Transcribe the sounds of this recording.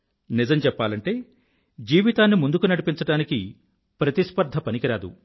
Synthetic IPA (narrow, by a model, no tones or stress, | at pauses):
nid͡ʒɐmt͡ʃɛpːaːlɐɳʈe̞ː | d͡ʒiːʋit̪aːnːimund̪ukunɐɽipint͡ʃɐɽaːniki | pɾɐt̪ispɐɾd̪ʱɐpɐnikiɾaːd̪ṵ